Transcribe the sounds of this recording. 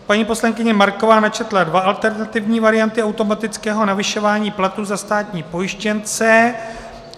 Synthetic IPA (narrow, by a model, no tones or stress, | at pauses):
paɲiːpo̞slaŋkɪɲɛmaɾko̞vaːnat͡ʃɛt̪ladvaʔalt̪ɛɾnat̪ɪvɲiːvaɾɪjant̪ɪawt̪o̞mat̪ɪt͡skɛːɦo̞navɪʃo̞vaːɲiːplat̪uzast̪aːt̪ɲiːpo̞jɪʃcɛnt͡sɛ